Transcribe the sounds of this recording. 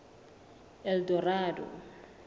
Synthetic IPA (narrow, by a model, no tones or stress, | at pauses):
ɛldɔraːdɔ̰